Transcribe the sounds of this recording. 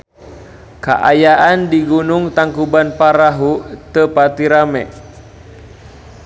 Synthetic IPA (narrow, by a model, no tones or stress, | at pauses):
ka̰ʔa̰jaʔandiɡunuŋt̪aŋkubanpaɾaɦut̪əpat̪iɾamɛʔ